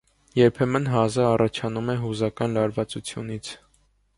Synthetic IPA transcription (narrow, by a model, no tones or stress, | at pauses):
jɛɾpʰɛmənɦɑzəɑrɑt͡ʃʰɑnumɛɦuzɑkɑnlɑɾvɑt͡sut͡sʰjṵnit͡sʰ